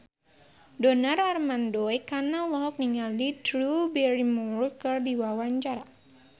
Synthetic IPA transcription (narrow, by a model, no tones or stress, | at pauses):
dɔnararmandɔjkanalɔɦɔk̚niŋalditɾubɛɾimɔrukərdiwawaɲt͡ʃaɾa